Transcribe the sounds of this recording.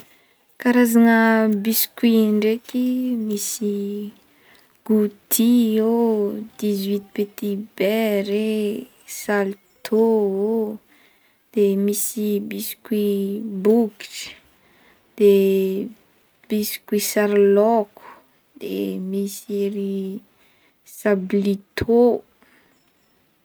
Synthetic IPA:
kaɾazanəbiskwiɳɖ͡ʐekimisi | ɡ̥ut̪iod̪̥izwit̪i̥pet̪ibeɾe | salt̪ʰoo | d̪̥emisibisi̥kibukʈ͡ʂ | d̪̥e | b̥isi̥kwisaɾlɔku̥ | d̪̥ḛmisiɾi | sablit̪ʰo

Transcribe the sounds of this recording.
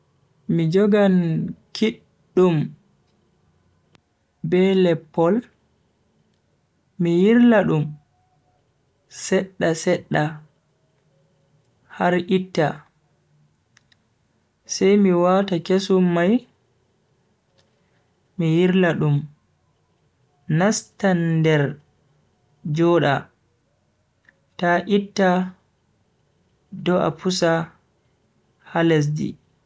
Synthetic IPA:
mid͡ʒɔɡankʰiɗː | um | bɛlɛpːɔl | mijiɾlaɗum | sɛɗːasɛɗːa | haɾʔitːa | sɛjmiwatakesumːaj | mijiɾlaɗum | nastandɛɾ | d͡ʒɔːɗa̰ | taʔitːa | dɔʔa̰pʰusa | hales̬dḭ

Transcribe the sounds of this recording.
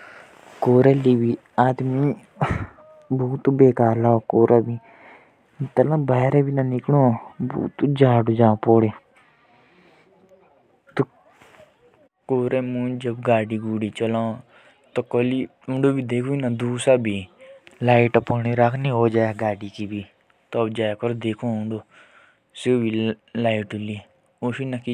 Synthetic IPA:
koːɾelibʱi | aːd̪mi | buːt̪beːkaːɾlaːokoːɾʔabʱi | t̪əlãbaɦɾebʱinanɪkloːbṵːt̪ud͡ʒaːɽod͡ʒãːpoːɽe | t̪o | koːɾeːmũːd͡ʒəbɡaːɖiːɡuːɽiːt͡ʃəlãː | t̪okoli | ũɳɖoːbʱiːd̪eːkʰunad̪uːsaːbʱiːlaːiʈpoñiɾakʰnĩɦoːd͡ʒaːeɡaːɖikibʱiː | t̪obd͡ʒaːkəɾod̪eːkʰõːʊ̃ɳɖoː | sebilaːiʈuliː | osinaki

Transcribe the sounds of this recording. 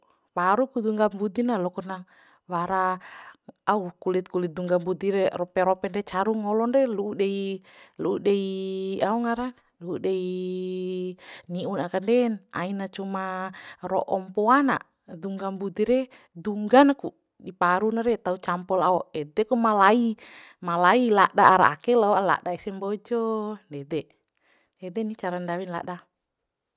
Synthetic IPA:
paɾukud̪uŋɡambud̪inalɔkɔna | waɾa | aukulit̪̚kulit̪̚d̪uŋɡambud̪iɾɛrɔpɛɾɔpɛndɛt͡ʃaɾuŋɔlɔnrɛluːdeiluːdeiauŋaɾan | luːdei | niunakandɛna̰inat͡ʃumarɔ̰ʔɔmpɔana̰ | duŋɡambut̪iɾɛ | duŋɡanaku | dipaɾunaɾɛt̪aut͡ʃampɔlaɔɛdɛkumalai | malailadaaɾa̰ːkɛlaɔala̰ʔdaɛsɛmbɔd͡ʒɔndɛdɛ | ɛdɛnit͡ʃaɾandawinla̰ʔda

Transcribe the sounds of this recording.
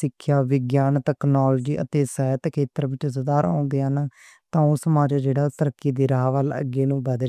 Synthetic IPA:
ɪkʰːjaːʋɪɡjaːnt̪ɛːknaːlːd͡ʒiːʔə̰t̪eːsəːt̪kʰeːt̪əɾʋɪt͡ʃsʊd̪aːɾã̰ːnd̪eːn | t̪ãːʊsəmaːd͡ʒaːd͡ʒeːɽaːt̪əɾəkːiːd̪iːɾaɦʋələ̰ɡeːnũːbəd̪

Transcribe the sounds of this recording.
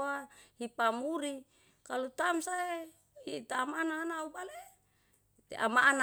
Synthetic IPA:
ahipamuɾi | kalut̪amsae | it̪aːmanaːnaubale | t̪ḛʔa̰maʔana

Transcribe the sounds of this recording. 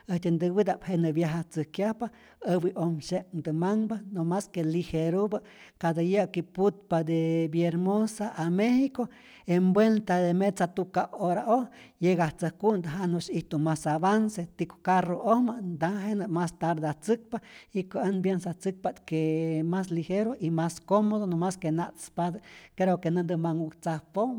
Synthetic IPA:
eht̪ʲend̪ɨwid̪aʔphenɨbjaɦaht͡sɨkjahpa | əbiʔomʃekd̪ɨmaŋbanomaskeliheɾubɨʔ | kad̪ajəkiput̪̚pad̪ebjeɾmosaʔamehiko | embwent̪ad̪emet͡sat̪ukaoɾaʔohjeɡaht͡sahkund̪aɦanoʃiht̪umasaβanset̪iko̥karoʔohmand̪aɦenɨmast̪aɾd̪eaht͡sɨk̚paikaʔənbjensaht͡sɨk̚paʔt̪kemas̬liheɾoʔimaskomoðonomaskenaʔt̪spad̪akeɾokenɨnd̪ɨmaŋukt͡sahpom

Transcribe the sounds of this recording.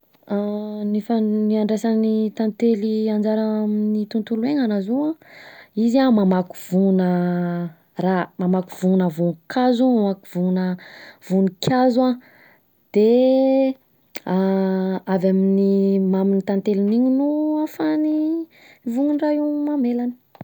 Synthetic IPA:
nifaniaɳɖ͡ʐesanit̪ant̪eliand͡ʒaɾaminit̪unt̪ulueŋanazowãiziamamaku̥vunə | ramamaku̥vuunəvunkʰazumamaku̥vuunəv̥unikʰʲazua | d̪̥e | a | avaminimaminit̪ant̪eliniɲunuafani | vuŋunraimamelanə̥

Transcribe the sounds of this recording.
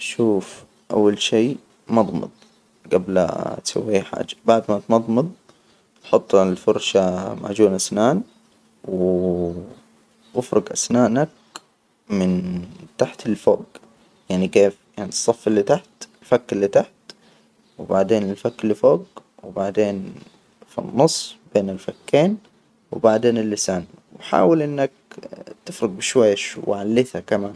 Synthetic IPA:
ʔʃuːf | ʔa̰wːalʃiː | mɑd̪ˤmɑ̰d̪̚ˤ | ɡabl̰t̪sa̰wːiħa̰ːd͡ʒḁbaʕd̪mat̪mɑd̪ˤmɨd̪ˤ | ħʊt̪ˤːlfʊɾʃama̰ʕd͡ʒuːnʔasnaːn | w | ʔɪfɾɪɡʔa̰snaːnak̚ | mɪnt̪aħt̪ɪlfoːɡ | jaʕnikeːfjaʕnisˤːɑfːɪlːit̪aħt̪ɪlfakːɪlːit̪aħt̪ | wbaʕd̪eːnɪlfakːlːifoːɡ | wbaʕd̪eːn | fḭnːʊsˤːb̥eːnɪlfakːeːn | wɪbaʕd̪eːnɪlːɪsaːnwħa̰ːwɪlʔɪnːak̚t̪ɪfɾɪɡ̚bɪʃwajːaʃwʕalːɪθhakamaːn

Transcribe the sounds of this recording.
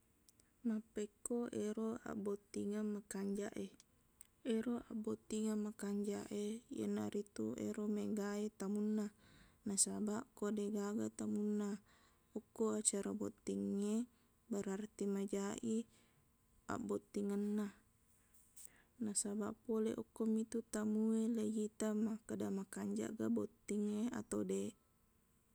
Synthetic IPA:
mapːekːoʔeɾoa̰bot̪ːiŋamːakaɲd͡ʒaʔe | eɾoʔa̰bot̪ːiŋamːakaɲd͡ʒaʔejḛnːa̰ɾit̪uḛɾomeɡaet̪amunːanasabaʔkodeɡaɡat̪amunːa | ukːoat͡ʃaɾabo̰t̪ːiŋːe | baɾart̪imad͡ʒaʔi | a̰ʔbot̪ːiŋanːa | nasabaʔpoleʔɔkːomit̪ut̪amuelejit̪amakadamakaɲd͡ʒa̰ʔɡabot̪ːiŋea̰t̪ode

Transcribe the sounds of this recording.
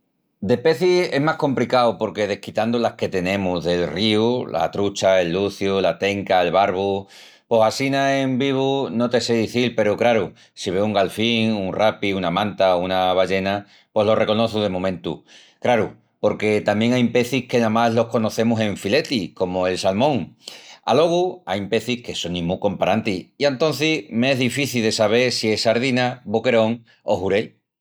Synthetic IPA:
d̪e̞pe̞θise̞ɦmahko̞mplikawpo̞ɾke̞ð̞e̞hkit̪and̪olahke̞t̪e̞nẽ̞muðe̞lriula̰t̪ɾut͡ʃae̞lːuθjulat̪e̞ŋkae̞lβaɾβu | po̞sasinae̞mbiβ̞uno̞t̪e̞se̞ðiθilpe̞ɾukɾaɾu | siβ̞e̞uŋɡalfiŋuŋrapiunamãnt̪aounaβaʝe̞na | pwo̞ɦlo̞re̞ko̞no̞θuð̞e̞momẽ̞nt̪ṵ | kɾaɾu | po̞ɾke̞t̪ambjeŋajmpe̞θihke̞namazlo̞hko̞no̞θe̞musẽ̞ɱfile̞t̪iko̞moe̞lsalmõ̞ŋa̰lo̞ɣ̞uajmpe̞θihke̞so̞nːĩmuko̞mpaɾant̪iiant̪o̞n̟θimeeɦðifiθilðe̞saβ̞e̞ɾsie̞saɾð̞inaβoke̞ɾo̞ŋ | o̞̰huɾe̞l

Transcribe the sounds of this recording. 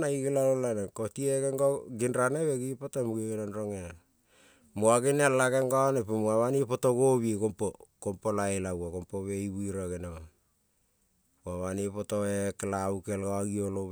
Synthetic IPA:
naiɡelalolanekotieɡeŋɡoɡinɾaneβeɡipotomuɡelanɾoŋena | moaɡenealaɡeŋɡonepumaβanipotoɡoβikompokompolaelawakompoβe̞iβuiɾaɡenema | moaβanipotoekelaukelɡoaɡiolo

